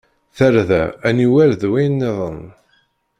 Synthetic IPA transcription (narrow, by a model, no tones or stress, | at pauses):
θəɾðæ̰æniwæɾðwæjnːeðˤən